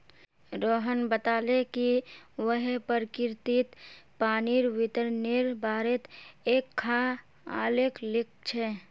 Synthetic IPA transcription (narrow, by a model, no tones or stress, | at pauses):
ɾoːɦənbət̪aːlekiwəɦpəɾkɪɾt̪it̪paːniɾʋɪt̪əɾniɾbaːɾet̪ekʰːã | a̰ːleklɪk̚ʰt͡ʃʰɛ